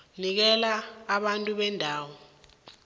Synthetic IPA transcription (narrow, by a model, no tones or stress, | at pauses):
nik̬ɛlaːɓantʼuɓɛndʱaːwɔ